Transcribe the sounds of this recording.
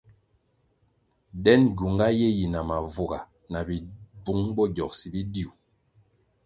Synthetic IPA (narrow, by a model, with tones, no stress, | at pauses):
dɛ˦nɟu˨ŋɡa˦je˦ji˨na˨ma˨vu˨ɡa̰˨na˨bi˨bu˨˦ŋbɔ˦ɟɔ˨k̚si˨bi˦di˦u˨